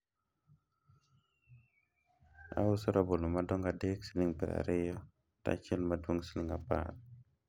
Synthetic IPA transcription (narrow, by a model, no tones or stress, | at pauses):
a̰wusoɾabolumadoŋɡadeksiliŋpḭɾa̰ɾejo | ta̰t͡ʃilmaduŋsiliŋapa̰t̚